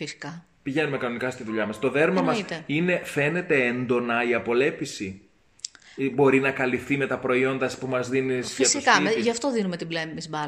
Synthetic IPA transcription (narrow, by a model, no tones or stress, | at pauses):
fisi̥kɐ | piʝe̞nume̞kɐno̞nikɐst̪iðuʎɐmɐst̪o̞ðe̞ɾmɐmɐsit̪eine̞fe̞ne̞t̪e̞end̪o̞nɐiɐpo̞le̞pisi | bo̞ɾinɐkɐlifθime̞t̪ɐpɾo̞io̞nd̪ɐspumɐzðinizʝɐtsoiskɐʝɐft̪o̞ðinumet̪iblemizbɐ